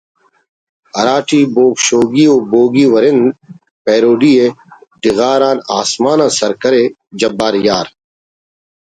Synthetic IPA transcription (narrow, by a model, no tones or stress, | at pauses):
ɐɾaːʈʰiːboːɡʃoːɡiːoːboːɡiːwɐɾɪn | peːɾoːɖieɖ̪ɪɣaːɾaːna̰ːsmaːnãːsɐɾkɐɾe | d͡ʒɐbːaːɾjaːɾ